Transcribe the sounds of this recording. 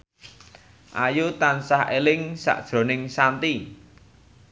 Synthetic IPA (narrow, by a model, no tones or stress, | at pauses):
ʔajut̪ansaɦelɪŋsa̰ʔd̥ʒ̥ɾo̤nɪŋsant̪i